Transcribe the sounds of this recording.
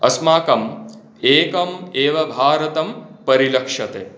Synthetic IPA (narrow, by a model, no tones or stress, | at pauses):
ɐsmaːkɐm | eːkɐmeːʋɐbʱaːɾɐt̪ɐmpɐɾilɐkʂɐt̪ḛː